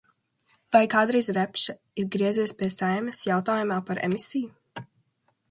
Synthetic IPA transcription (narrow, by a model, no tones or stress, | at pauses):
vajkaːd̪ɾijzɾæpʃa | iɾɡɾiɛziɛspʲiɛsajmʲɛsjawt̪aːjumaːpaɾɛ̰misiju